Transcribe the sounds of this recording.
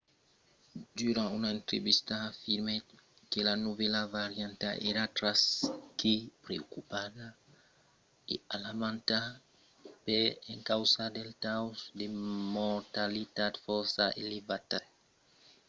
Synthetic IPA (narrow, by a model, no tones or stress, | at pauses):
dyɾãunaẽnt̪ɾḛβist̪aːfiɾme | kelanuvelavaɾjãnt̪a̰ʔeɾat̪ɾaskipɾeokupaða | ealamãnt̪a | peẽŋkawsad̪elt̪awsd̪emoɾt̪alit̪ad̪fɔɾsaʔelevat̪a